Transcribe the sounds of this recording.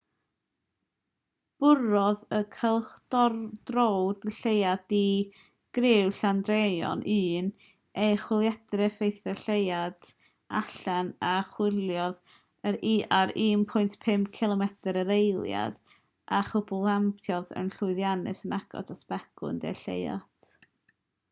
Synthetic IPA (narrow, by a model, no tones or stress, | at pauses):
b̥ʊɾɔðəkʰəlˠχd̥ɔrdrɔwdɬejadi | ɡ̥rɪwɬandrejɔ̰nʔɨːn | eχwɪlˠjɛdrɛfejθɛɬejad̥ | aɬanaχwɪlˠjɔð | əɾaɾiːmpʰʊɨntpʰɪmkʰɪlˠɔmɛtəɾəɾejlˠja̰d̥ | aχʊbʊlˠampʰjɔðə̰nɬʊɨðjanɨ̰sənaɡɔ̰tʰaspɛɡʊ̰ndḛɬḛja̰t